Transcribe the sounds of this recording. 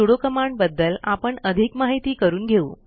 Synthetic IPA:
uɽokəmaɳbəd̪ːəla̰pəɳəd̪ʱikmaɦit̪iːkəɾuːnɡʱeuː

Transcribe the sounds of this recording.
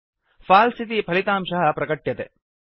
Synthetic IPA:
fʰaːlsit̪ipʰɐlit̪aːmʃɐɦɐpɾɐkɐʈːjɐt̪ḛ

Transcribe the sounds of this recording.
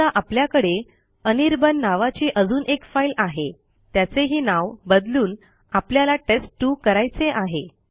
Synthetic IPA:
aʔapljakəɽe | əniɾbənːaʋat͡ɕiːʔəd͡zuːnʔekfajlaɦe | t̪jat͡seɦiːnaʋbəd̪luːn | apljalaʈesʈːuːkəɾajt͡seʔaɦe

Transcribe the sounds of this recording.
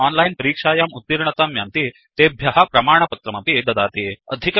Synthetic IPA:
aːnlɐjnpɐɾiːkʂaːjaːmut̪ːiɾɳɐt̪aːmjaːnt̪i | t̪eːbʱjɐɦɐ̆pɾɐmaːɳɐpɐt̪ɾɐmɐpieːd̪ɐd̪aːt̪iɐ̰d̪ʱik

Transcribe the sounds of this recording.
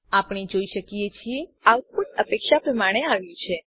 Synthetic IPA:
apɳ̃id͡ʒoiʃəkiet͡ʃʰieaʋpuʈəpekʃapɾəmaɽ̃eaʋjũt͡ʃʰe

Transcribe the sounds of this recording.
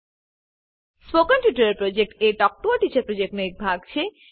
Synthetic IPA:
spokanʈuʈaɾeɾpɾod͡ʑek̚ʈeʈɔk̚ʈoaʈit͡ɕaɾpɾod͡ʑek̚ʈnoek̚bʱaɡ̚t͡ɕʰe

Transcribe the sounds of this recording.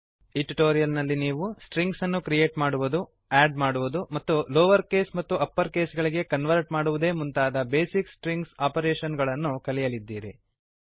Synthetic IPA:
iʈiʈoːɾijɐlnɐlːiniːʋusʈɾiŋɡsɐnːukɾijeːʈmaːɽuʋud̪u | æːɖmaːɽuʋud̪umɐt̪ːuloːʋɐɾke̞ːsmɐt̪ːuʔɐpːɐɾke̞ːsɡɐɭiɡe̞kɐnʋɐɾʈmaːɽuʋud̪e̞ːmunt̪aːd̪ɐbe̞ːsiksʈɾiŋɡsaːpɐɾeːʃɐnɡɐɭɐnːukɐlijɐlid̪ːiːɾḭ

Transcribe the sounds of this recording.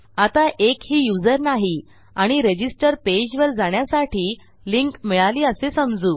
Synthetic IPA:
at̪aʔekhiːjud͡zəɾnaɦi | aɽ̃iɾed͡ʑisʈəɾped͡ʑʋəɾd͡zaɳ̃jasaʈʰiː | liŋkmiɭaliːəsesəmd͡zuː

